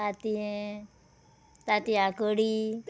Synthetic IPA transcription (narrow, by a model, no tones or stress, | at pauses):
at̪iẽ | t̪at̪iakəɽi